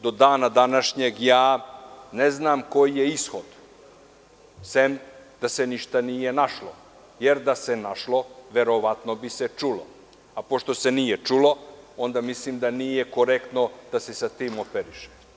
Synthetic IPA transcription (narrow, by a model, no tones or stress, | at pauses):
d̪o̞d̪aːnad̪anaʃɲeɡjaːneznamko̞jjeisxo̞d̪ | semd̪̥ase̞niʃt̪anije̞naʃlo | jeɾd̪ase̞naʃlo̞ʋe̞ɾo̞ʋat̪no̞bise̞t͡ʂulo̞̰ | apo̞ʃt̪o̞se̞nijet͡ʂulo̞o̞nd̪amislimd̪anijeko̞ɾekt̪no̞d̪̥ase̞sat̪iːmopeɾiʃe̥